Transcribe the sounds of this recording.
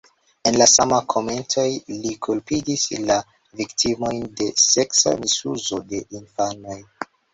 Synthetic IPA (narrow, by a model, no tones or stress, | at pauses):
e̞nlasamakʰo̞me̞nto̞jlikʰulpidisla | viktʰimo̞jnde̞se̞ksa̰misuzo̞de̞ʔinfano̞j